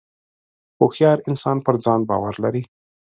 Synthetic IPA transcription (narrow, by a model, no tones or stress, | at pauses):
xoxjɑɾɪnsɑnpəɾd͡zɑnbɑ̰waɾlaɾi